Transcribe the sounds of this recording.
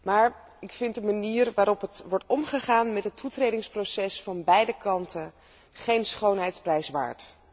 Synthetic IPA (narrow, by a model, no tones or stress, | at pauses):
maːɹ | ɪkfɪntdəmaniːɹʋaːɾɔpɦətʋɔɹtɔmχəχaːnmɛtɦətʰːutrejdɪŋsprowsɛsfɑnbɛjdəkɑntʰən | χejnsχownɦɛjtsprɛjsʋa̰ːɹt